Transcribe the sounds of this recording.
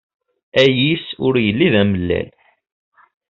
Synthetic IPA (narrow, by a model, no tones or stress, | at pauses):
æjisʊɾjəlːiðæməlːæ̰l